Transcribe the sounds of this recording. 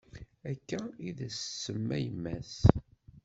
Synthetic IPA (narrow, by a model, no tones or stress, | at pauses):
ækːæiðæsːəmːæjəmːæs